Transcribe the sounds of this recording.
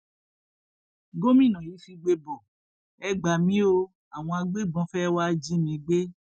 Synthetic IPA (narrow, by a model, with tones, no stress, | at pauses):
ɡo˦mĩ˦˨nã˨ji˨˦fi˧ɡ͡be˧bɔ˨ | ɛ˦ɡ͡ba˨mĩ˦o˧ | a˨w̃ɔ̃˧a˧ɡ͡be˦˨bɔ̃˨˦fɛ˦wa˦d͡ʒi˦mĩ˧˦ɡ͡be˦